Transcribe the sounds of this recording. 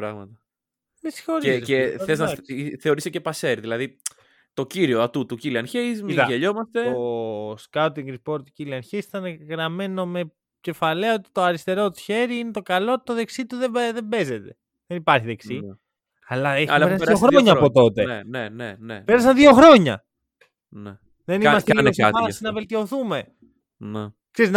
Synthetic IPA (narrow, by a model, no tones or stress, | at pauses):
pɾɐ̰ɣmɐ̰t̪ɐ | misi̥xoɾeθθeznɐiθe̞o̞ɾisecepɐseɾðilɐði | t̪o̞ciɾioɐt̪ut̪uciliɐnçeizmiiðɐʝeʎo̞mɐst̪e̞oskat̪iŋɡɾipo̞ɾt̪u̥ciliɐnçeisit̪ɐneɣɾɐme̞no̞me̞ | ce̞fɐleɐot̪i̥t̪oɐɾist̪e̞ɾo̞t̪u̥çeɾiinet̪o̞kɐloot̪i̥t̪oðe̞ksit̪uðeðebe̞ze̞t̪e̞ | ðenipɐɾçiðe̞ksi | ɐlɐeçeɾɐsioxɾoɲɐːpo̞t̪o̞t̪e̞nennepeɾɐs̬ɐnðio̞xɾo̞ɲɐ̰ | ne | ðe̞nimɐst̪eeɐɐsinɐve̞lt̪io̞θume̞ | ne | kseɾizn